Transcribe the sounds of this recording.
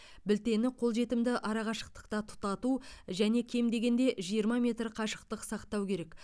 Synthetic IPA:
bɪlt̪e̞nɪqʰo̞lˠʒe̞t̪ɪmd̪ɪʔɑɾɑʁɑʃəq̚t̪ə̥qt̪ɑt̪ʰʊ̥t̪ɑt̪uʒæne̞kʲʰe̞md̪e̞ɡʲe̞nd̪e̞ʒijəɾmɑmʲe̞t̪ɾqʰɑʃəq̚t̪əqsɑqt̪ɑwkʲʰe̞ɾe̞k

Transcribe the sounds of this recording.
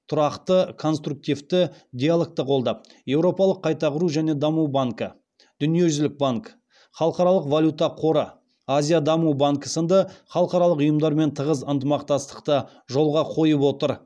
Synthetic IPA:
t̪ʰʊɾɑqt̪əkʰo̞nst̪ɾuk̚t̪ift̪ɪd̪ʲijalˠek̚t̪əqʰo̞lˠd̪ɑp̚je̞wɾo̞pɑlˠəqʰːɑjt̪ɑʁəɾuʒæne̞d̪ɑmuwbaŋkə | d̪̥ʏnije̞ʒʏʏzlɪk̚baŋk | χɑlˠəqɑɾɑlˠəqvalʲut̪ɑqʰo̞ɾə | azʲijad̪ɑmubaŋkəsənd̪əχɑlˠəqɑɾɑlˠəqʊjəmd̪ɑɾme̞nt̪ʰəʁəzənt̪əmɑqt̪ɑst̪ə̥qt̪ə | ʒo̞lˠʁɑqʰo̞jəpwo̞t̪əɾ

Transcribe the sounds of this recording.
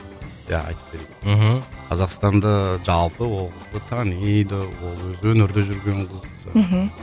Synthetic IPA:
jæ̰ɑ̰jt̪ə̥p̚beɾed̪ɪɦm̩qʰɑzɑqst̪ɑnd̪ɑʒɑlˠpəwo̞lˠqʰəzd̪ət̪ʰɑnejd̪əwo̞lˠwɵzɪwɵnɪɾd̪eʒʏɾɡʲe̞ɴqʰəz | ə̰ɦ̩

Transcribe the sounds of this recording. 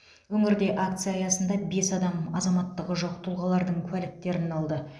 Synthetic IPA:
wɵŋɪɾd̪e̞ʔakt̪sɨjɑːjɑsənd̪ɑbe̞sɑd̪ɑmɑzɑmɑt̪ːəʁəʒoqt̪ʰulˠʁɑlˠɑɾd̪əɴkʲʰwælɪt̪ːe̞ɾɪnɑlˠd̪ə

